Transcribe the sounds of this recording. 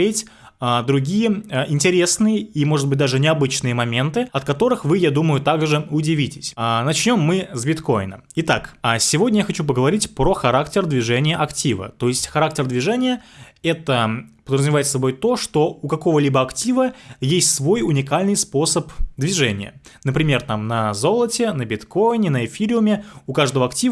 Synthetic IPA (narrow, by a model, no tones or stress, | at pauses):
etʲ | ad̪ɾʊɡʲijəʔɪnʲtʲɪɾʲesnɨjəimo̞ʐɨt̪bɨt̚ʲd̪aʐɨnʲɪɐbɨt͡ɕnɨjəmɐmʲe̞nt̪ɨɐt̪̚kɐt̪o̞ɾɨxvɨjad̪uməjʊt̪aɡʐɨʊdʲɪvʲitʲɪsʲnɐt͡ɕnʲo̞mːɨzbʲɪt̪ko̞ɪnə̰ | ɪt̪aksʲɪvo̞dʲnʲəjaxɐt͡ɕup̬əɡəvɐɾʲitʲpɾo̞xɐɾaktʲɪrd̪vʲɪʐɛnʲɪjəʔɐktʲivə̰t̪o̞jɪsʲtʲxɐɾak̚tʲɪrd̪vʲɪʐɛnʲɪjəɛt̪əpəd̪rəzʊmʲɪvajɪt̪sɐbo̞jt̪o̞ʂt̪o̞ʊkɐko̞vəlʲibəɐktʲivəjesʲtʲsvo̞jʊnʲɪkalʲnɨjspo̞səpd̪vʲɪʐɛnʲɪjə̰nəpɾʲɪmʲe̞rt̪amnɐzo̞lˠətʲɪnəbʲɪt̪kojɪnʲɪnəɪfʲiɾʲɪʊmʲɪʊkaʐd̪əvəɐktʲiv